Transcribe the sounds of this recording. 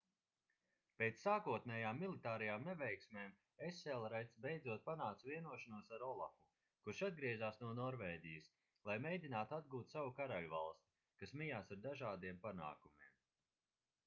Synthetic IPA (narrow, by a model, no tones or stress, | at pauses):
peːt̪sːaːkuɔt̪nɛːjaːmːilˠit̪aːɾɐjaːmnɛvɛjksmeːm | eselˠɾajt̪sbejd̪zuɔt̪̚panaːt̪sviɛnuɔʃanuɔsaɾɔlˠafu | kuɾʃad̪̚ɡɾiɛzaːsnuɔnɔɾvɛːɟʲijəs | lˠajmejd̪ʲinaːt̪uad̪̚ɡuːt̪sawukaɾaluva̰lˠst̪i̥ | kasmijaːsaɾd̪aʒaːd̪iɛmpana̰ːkumiɛm